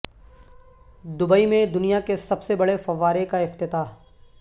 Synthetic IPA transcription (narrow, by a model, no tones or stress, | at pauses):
d̪ʊbəimẽd̪ʊnijakesɐbsebɐɽefɐʋaːɾekaɪft̪ɪt̪aː